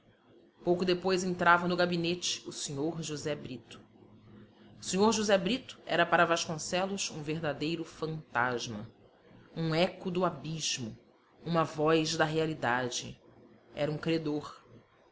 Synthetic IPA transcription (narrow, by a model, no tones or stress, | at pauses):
powkʊd̪epojzẽnt̪ɾavɐnʊɡabinet͡ʃɪ̥ʊseɲoɾʒuzɛbɾit̪ʊ̥ | ʊsẽɲoɾʒuzɛbɾit̪ʊ̥ɛ̰ɾɐpaɾɐvaʃkõsɛlʊsṵ̃veɦd̪ad̪ejɾʊfɐ̃nt̪aʒmɐ | ũɛkʊd̪ʊabiʒmʊ | ũmɐvɔjzd̪ɐɦealid̪ad͡ʒɪ̰ | ɛ̰ɾɐũkɾed̪oɾ